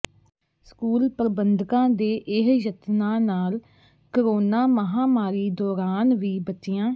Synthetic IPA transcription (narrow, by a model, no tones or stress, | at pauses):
skuːlpɾəbənd̪kãːd̪eːʔɪɦjət̪nãːnaːl | kəɾoːnaːməɦaːmaːɾiːd̪ɔːɾaːnʋiːbət͡ʃɪjãː